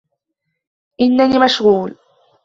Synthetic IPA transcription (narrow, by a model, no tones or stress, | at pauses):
ʔɪnːaniːmaʃɣuːl